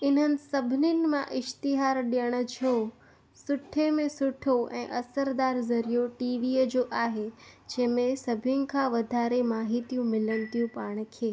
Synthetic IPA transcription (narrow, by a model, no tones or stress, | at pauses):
ɪn̤ənɪ̆sɐbʱɪnɪnɪ̆mãʔɪʃt̪ɪɦaːɾɗijəɽ̃ə̆t͡ɕʰjo | sʊʈʰemẽsʊʈʰoʔɛ̰̃ːʔɐsəɾd̪aːɾzɐɾijoʈiːʋiːəd͡ʑoːʔaːɦed͡ʑɐ̃ɦɪ̃mẽsɐbʱʊnɪ̆kʰãʋɐd̪ʱaːɾemaːɦit̪ijũmɪlənɪ̆t̪ijũpaːɽ̃̆kʰeː